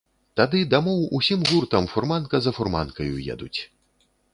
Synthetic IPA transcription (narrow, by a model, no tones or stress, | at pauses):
t̪ad̪ɨd̪amɔwusʲimɣurt̪ɐmfurmankɐzɐfurma̰nkɐjṵjɛ̰d̪ṵt͡sʲ